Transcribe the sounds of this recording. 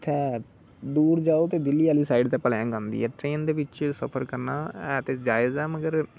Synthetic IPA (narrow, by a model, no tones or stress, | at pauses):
t̪ʰɛː | d̪uːɾd͡ʒaːoːt̪eːd̪ɪlːiːaːliːsaːiɖt̪ẽːpəlãːɡãːnd̪ḭːɛːʈɾeːnd̪eːʋɪt͡ʃsə̰pʰəɾkəɾna̰ːɛːt̪eːd͡ʒaːɪzɛːməɡəɾ